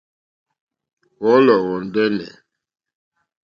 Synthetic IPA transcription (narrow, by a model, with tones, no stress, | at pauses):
wɔ˨˦lɔ˨wɔ˨n˨dɛ˦nɛ̰˨